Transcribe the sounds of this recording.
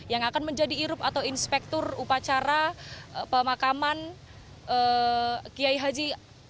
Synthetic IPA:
jaŋakanməɲd͡ʒadiːɾʊpat̪awinspɛk̚t̪ɔrupat͡ʃaɾapəmakaman | əkiaiɦad͡ʒi

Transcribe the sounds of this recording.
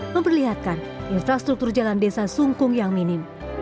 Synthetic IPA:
məmpərliɦat̪̚kan | infɾast̪ɾuk̚t̪ʊrd͡ʒalandesasuŋkʊŋjaŋminɪm

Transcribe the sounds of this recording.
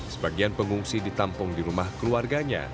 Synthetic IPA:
səbaɡianpəŋuŋsidit̪ampʊŋdiɾumahkəluarɡaɲa̰

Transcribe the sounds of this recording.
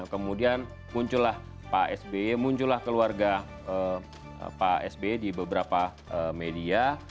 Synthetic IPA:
kəmudian | muɲt͡ʃulah | paɛsbemuɲt͡ʃulahkəluarɡa | ə̰ | paɛsbedibəbəɾapa | əmedia

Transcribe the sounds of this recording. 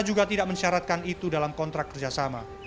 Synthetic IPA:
d͡ʒuɡat̪idaʔməɲʃaɾat̪̚kanit̪udalamkɔnt̪ɾakːərd͡ʒasama

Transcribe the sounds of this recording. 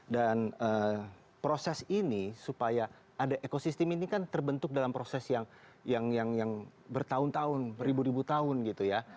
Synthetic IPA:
danə | pɾosɛsinisupaja | ʔːdaʔekosist̪ɛminikant̪ərbənt̪ʊk̚dalampɾosɛsjaŋ | jaŋjaŋjaŋbərt̪aʊnt̪aʊnɾibuɾibut̪aʊnɡit̪uja

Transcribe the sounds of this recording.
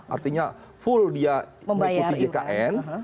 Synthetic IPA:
a̰rt̪iɲa | fʊldiaəbəajkuaidekaʔɛn

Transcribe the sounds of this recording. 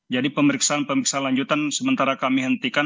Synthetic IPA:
d͡ʒadipəməɾiksaːnpəmɾiksaanlaɲd͡ʒut̪ansəmənt̪aɾakamiɦənt̪ika

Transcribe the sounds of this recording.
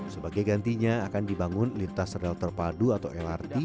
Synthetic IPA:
səbaɡajɡant̪iɲaːkandibaŋʊnlint̪asrɛlt̪ərpaduat̪awɛlart̪i

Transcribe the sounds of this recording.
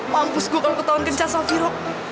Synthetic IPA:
mampʊsɡuakalokət̪aɔnkənt͡ʃasafiɾɔʔ̚

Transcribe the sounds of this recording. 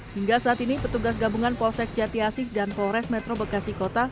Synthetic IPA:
hiŋɡasaːt̪inipət̪uɡas̬ɡabuŋanpɔlsɛk̚d͡ʒat̪iasɪhdanpɔɾɛsmɛt̪ɾobəkasikot̪a

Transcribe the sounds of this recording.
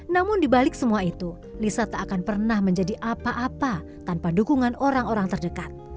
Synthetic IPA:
namʊndibalɪk̚səmuait̪u | lisat̪aːkanpərnahməɲd͡ʒadiʔapaʔapa | t̪anpadukuŋanoɾaŋoɾaŋt̪ərdəkat̪̚

